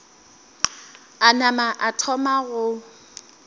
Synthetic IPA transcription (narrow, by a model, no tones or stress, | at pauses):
anamaʔatʰɔmaɣʊ